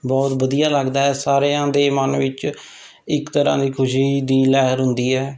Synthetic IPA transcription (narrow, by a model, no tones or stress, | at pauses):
bɔːt̪bəd̪ijaːləɡd̪aːɦɛːsaːɾeːãːd̪eːmənʋɪt͡ʃ | ɪkt̪əɾã̰ːd̪iːkʰʊʃiːd̪iːlɛːɦəɾɦʊnd̪iːɛː